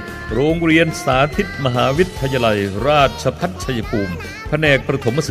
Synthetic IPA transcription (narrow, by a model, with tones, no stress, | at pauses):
ɾoː˧ŋɾi˧ənsaː˩˦t̪ʰi˦˥t̪̚ma˧ɦaː˩˦wi˦˥t̪̚ʰːa˧jaː˧la˧jɾaː˥˩t̪̚t͡ɕʰa˧pʰa˦˥t̪̚t͡ɕʰa˧ja˧pʰuː˧m | pʰa˧nɛː˨˩k̚pɾa˧t̪ʰo˩˦ma˧sɯ˩